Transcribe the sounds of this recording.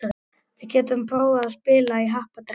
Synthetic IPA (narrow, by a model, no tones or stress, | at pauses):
ɾ | vɪcɛːt̪ʏmpʰɾoːwðaðspɪːlaiɦahpat̪ɪ